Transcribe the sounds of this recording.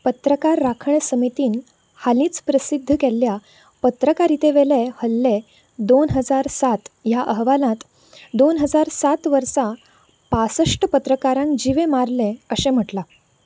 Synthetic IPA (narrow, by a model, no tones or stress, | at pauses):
pət̪ɾəkaɾːakʰəɳəsəmit̪iːn | halĩːt͡spɾəsid̪ʱːəkelːja | pət̪ɾəkaɾit̪eʋelehəlːe | d̪onɦəd͡zaɾsat̪jaʔəɦʋalãt̪ | d̪onɦəd͡zaɾsat̪ʋəɾsa | pasəʂʈəpət̪ɾəkaɾãŋkd͡ʑiʋemaɾlẽəsem̤əʈla